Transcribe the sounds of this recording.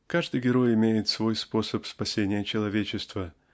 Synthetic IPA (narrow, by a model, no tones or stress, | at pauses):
kaʐd̪ɨjɡʲɪɾo̞jɪmʲejɪt̪svo̞jspo̞səpspɐsʲenʲɪjət͡ɕɪlˠɐvʲet͡ɕɪst̪və